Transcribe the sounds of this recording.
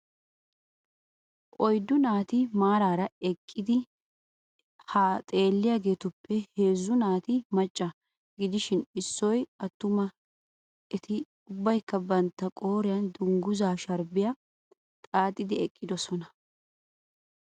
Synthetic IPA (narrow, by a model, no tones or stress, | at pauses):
ʔɔjd̪ʊnaːt̪ɪmaːɾaːɾɐɛkʼːɪd̪ɪ | hat̪ʼe̞ːlːɪjaːɡe̞ːt̪ʊpːɛhe̞ːzːʊnaːt̪ɪmɐt͡ʃʼːɐ | ɡɪd̪ɪʃɪnɪsːɔjɐt̪ːʊmɐ | ɛt̪ʰɪ | ʊbːɐjkːɐbɐnt̪ːɐkʼo̞ːɾɪjɐnd̪ʊŋɡʊzaːʃɐɾbɪjɐ | t̪ʼaːt̪ʼːɪd̪ɪɛkʼːɪd̪ɔsɔnɐ